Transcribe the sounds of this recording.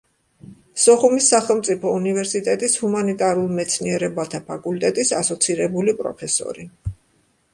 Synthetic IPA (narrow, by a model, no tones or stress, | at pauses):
sɔχumisːaχɛlˠmt̪sʼipʰɔunivɛɾsit̪ʼɛt̪ʼishumanit̪ʼaɾulˠmɛt̪sʰniɛɾɛbat̪ʰapʰakʼult̪ʼɛt̪ʼisasɔt̪sʰiɾɛbulipʼɾɔ̰pʰɛsɔ̰ɾi